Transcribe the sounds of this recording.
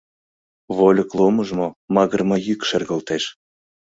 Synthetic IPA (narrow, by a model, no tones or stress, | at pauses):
βolʲəklˠoməʒmomɑɣərmɑjykʃerɣəlt̪eʃ